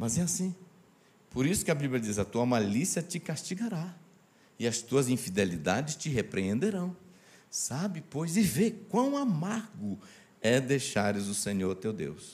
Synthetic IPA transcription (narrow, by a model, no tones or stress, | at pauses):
mɐzɛasĩ | poɾisʊ̥kɪɐbiblʲjɐd͡ʒizɐt̪uɐmalisiɐt͡ʃɪkast͡ʃiɡaɾa | ɪɐst̪uɐzĩfid̪elid̪ad͡ʒɪst͡ʃɪɦepɾeẽnd̪eɾɐ̃w̃ | sabɪpojzɪvekwɐ̃w̃amaɾɡʊ | ɛd̪ejʃaɾɪzʊsẽɲoɾt̪ewd̪ḛws